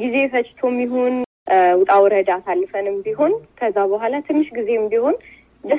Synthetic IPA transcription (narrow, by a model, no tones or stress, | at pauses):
ɡize̞fət͡ʃʼt̪ʰo̞mːiɦo̞n | wʊt̪ʼawɾəd̪aːsalːfənɨmbiɦo̞nkʰəzːaβəɦʷalat̪ʰɨnːɨʃɡize̞mbiho̞n | d̪ə